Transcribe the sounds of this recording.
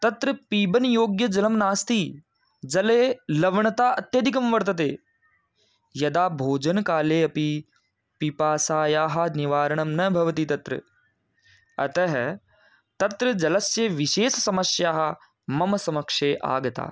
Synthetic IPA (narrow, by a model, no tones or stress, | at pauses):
t̪ɐt̪ɾɐpiːbɐnjoːɡjɐd͡ʒɐlɐmnaːst̪iː | d͡ʒɐleːlɐʋɐɳɐt̪aːɐt̪jɐd̪ik̬ɐmʋɐɾt̪ɐt̪̬eː | jɐd̪aːbʱoːd͡ʒɐnkaːleːɐpi | pipaːsaːjaːɦɐniʋaːɾɐɳɐmnɐbʱɐʋɐt̪it̪ɐt̪ɾɐ̰ | ɐt̪ɐɦ | t̪ɐt̪ɾɐd͡ʒɐlɐsjɐʋiʃeːsɐsɐmɐsjaːɦɐ̆ | mɐmɐsɐmɐkʂeːʔa̰ːɡɐt̪a̰ː